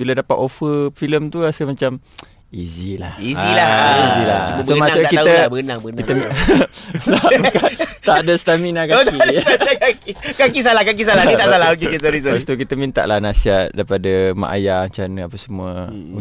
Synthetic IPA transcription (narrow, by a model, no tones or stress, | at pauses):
bilədapat̪ofəfiləmt̪uasəmat͡ʃam | izila̰hizilaiila̰uməsomasuakit̪aəabəɡənaŋbəɡənkit̪əm | labka | t̪aʔdəst̪aminakat̪idakakikakisalahkak̬isalait̪asalaok̬ekesoɾisobast̪ukit̪əmint̪a̰ʔlahnasiat̪̚daɾipadəma̰ʔa̰jaɲt͡ʃanəapəsəmuə | u